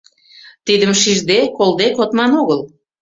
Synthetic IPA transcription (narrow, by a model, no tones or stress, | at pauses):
t̪id̪əmʃiʒd̪ekold̪ekot̪mɑnoɣəl